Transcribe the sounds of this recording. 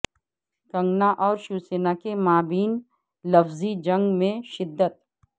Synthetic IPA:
kɐ̃ŋɡnaʔɔːɾʃuːseːnakemaːbiːn | lɐfzid͡ʒɐ̃ŋɡmẽʃɪd̪ːət̪̚

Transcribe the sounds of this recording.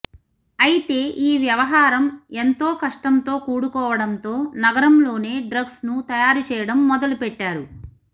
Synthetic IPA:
ɐjit̪e̞ːʔiːʋjɐʋɐɦaːɾɐme̞nt̪o̞ːkɐʂʈɐnt̪o̞ːkuːɽukɔːʋɐɽɐnt̪o̞ːnɐɡɐɾɐmlo̞ːne̞ːɖɾɐɡsnut̪ɐjaːɾut͡ʃɛːjɐɽɐmːɔd̪ɐlupɛʈːaːɾu

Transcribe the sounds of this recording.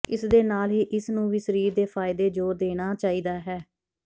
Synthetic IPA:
ɪsd̪eːnaːlɦiːʔɪsnũːʋiːsəɾiːɾd̪eːpʰaːɪd̪eːd͡ʒoːɾd̪eːɽ̃aːt͡ʃaːiːd̪aːɦɛː

